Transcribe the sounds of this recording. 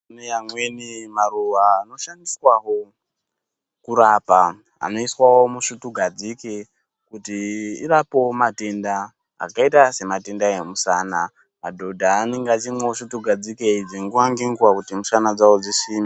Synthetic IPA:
nejamwe̞nimaruʋaːno̞ʃandiswaɦo | kuɾaːpa | a̰no̞iswawo̞muʂutuɡʱad͡zike | kutiiɾapo̞mate̞nda̰ː | kaitase̞mate̞ndaemusaːna | a̰dʱo̞dʱaːne̞ŋɡeat͡ʃimweʃutuɡʱad͡zikeid͡zeŋɡuaŋɡiŋɡwakutimusanad͡zawod͡zisiːmi

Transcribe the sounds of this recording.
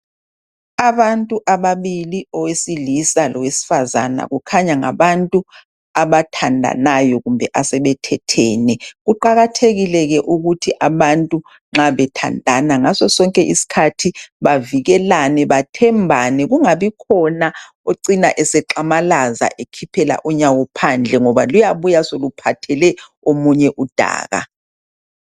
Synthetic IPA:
aβantʼuʔaβaβiliɔwesilisalɔwesi̥faza̰na̰ɣukʰaɲaŋa̰βantʼu | aβatʰandʱa̰najɔɣumbʱɛʔasɛβɛtʰɛtʰɛːnɛɣuǃaɣatʰeɣilɛɣɛʔuɣutʰiʔaβantʼu | ŋ͡ǁaβɛtʰa̰ndʱanaŋasɔsɔŋkʼɛʔisi̥kʰatʰiβaviɣɛlanɛβatʰɛmbʱanɛɣuŋaβikʰɔna | oǀinaʔɛsɛǃamalaza̰ʔekʰipʰɛla̰ʔuɲawɔpʰand͡ɮʱɛŋɔβa̰lujaβujasolupʰatʰɛlɛ | omuɲɛʔud̥ʱa̰ːɣa̰

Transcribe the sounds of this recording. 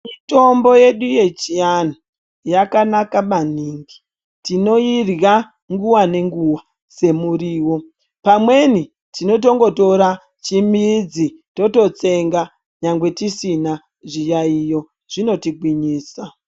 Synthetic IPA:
mito̞mbo̞je̞ɗuje̞t͡ʃianu | jakanakaɓaniːŋɡi̥ | tino̞irɣa | ŋɡuwane̞ŋɡuwa | se̞muɾiːwo̞ | pamwe̞ni | tino̞t̬o̞ŋɡo̞to̞ɾa | t͡ʃimid͡zito̞to̞t͡se̞ŋɡa | ɲaŋɡwe̞tisina | ʐijaijo̞ | ʐ̥ino̞tiɡʱwiɲiːsa

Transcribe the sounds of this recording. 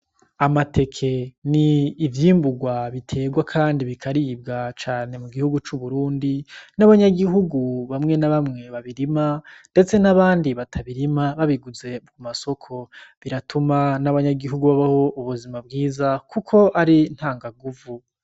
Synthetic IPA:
amate̞kʰe̞niːvjiːmbuɡwaβitʰe̞ːɡwakʰaːndiβikʰaɾib̚ɡat͡ʃaːne̞muɡihuɡut͡ʃuβuɾuːndinaβaɲaɡiɦuɡuβamŋe̞naβamŋe̞βaβiɾimande̞t͡se̞naβaːndiβatʰaβiɾimaβaβiɡuze̞bɡumaso̞kʰo̞βiɾatʰumanaβaɲaɡiɦuɡuβaβaho̞ʔuβuzimab̚ɡiːzakukʰo̞aɾin̥haːŋɡaɡuvu

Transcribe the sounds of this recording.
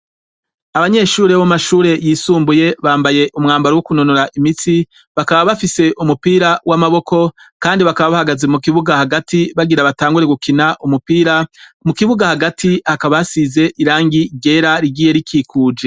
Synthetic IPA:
aβaɲe̞ʃuːɾewomaʃuːɾe̞jiːsuːmbuje̞βaːmbaje̞ʔumŋaːmbaɾowukuno̞noɾaʔimiti | βakaβaβafise̞ʔumupiːɾawʔamaβo̞kʰo̞kaːndiβakaβaβahaɡazemukiβuɡahaɡatiβaɡiɾaβataːŋɡuɾe̞ɡukʰinaʔumupiɾamukiβuɡahaɡatʰihakaβasize̞ʔiɾaːŋɡiɾɟe̞ːɾaɾiɡiːje̞ɾikʰiːkʰuːd͡ʒe̞

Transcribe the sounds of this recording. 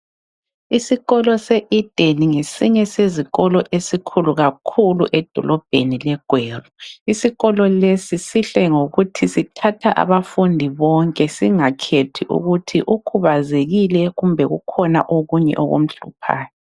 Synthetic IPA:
isiɣɔlɔseʔid̥ʱeniŋesiɲɛseziɣɔlɔʔesikʰuluɣakʰulṵʔɛd̥ʱɔlɔb̥ʱḛnilɛɡ̥ʱweːruisiɣɔlɔlesisiɬɛŋoɣutʰisitʰatʰaʔa̰βafundʱiβɔŋkʼɛsiŋakʰetʰiʔṵɣutʰiʔukʰuβazeɣilɛɣumbʱɛɣṵkʰɔna̰ʔoɣuɲɛ̰ʔo̰ɣṵm̩ɬṵpʰa̰ːjɔ

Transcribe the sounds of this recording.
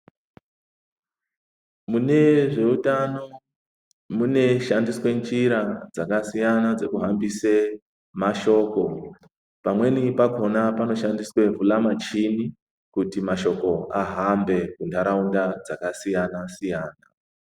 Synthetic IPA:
mune̞ʐe̞utano̞ | mune̞ʃandiswe̞nd͡ʒiɾad͡zakasijanad͡ze̞kuɦambise | maʃo̞ːko̞ | pamwe̞nipako̞napano̞ʃandiswe̞vulamat͡ʃini | kutimaʃo̞ko̞aɦambe̞kundʱaɾaundad͡zakasijanasijaːna

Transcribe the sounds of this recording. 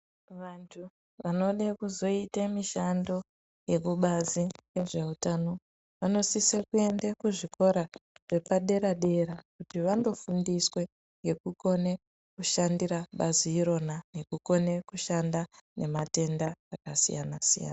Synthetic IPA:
ʋantʰu | ʋano̞ɗekuzo̞itemiʃando̞ | je̞kuɓazijeʐe̞utano̞ | ʋano̞sisekue̞ndekuʐiko̞ɾaʐ̥e̞paɗe̞ɾaɗe̞ɾakutiʋando̞fundiswe̞ | ŋɡe̞kuko̞ne̞ | kuʃandiraɓaziiɾo̞nane̞kuko̞ne̞kuʃandane̞mate̞ndaːkasḭja̰nasija̰ːna

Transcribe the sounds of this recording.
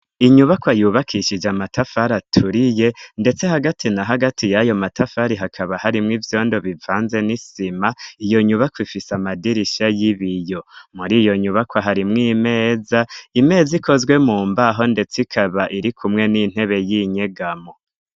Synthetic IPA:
iɲuβakwajuːβakʰiʃid͡ʒamatafaɾatʰuɾije̞nde̞t͡se̞haɡatʰinaɦaɡatijajo̞matʰafaɾiɦakʰaβahaɾimŋivjo̞ːndo̞βivaːnze̞nisimaijo̞ɲuβakwifisamadiɾiʃajiβijo̞muɾiːjo̞ɲuβakwaɦaɾimŋiːme̞ːzaime̞ːziko̞zɡwe̞muːmbaɦo̞nde̞t͡sikʰaβaʔiɾikʰumŋe̞nin̥he̞βe̞jiɲe̞ɡamo̞

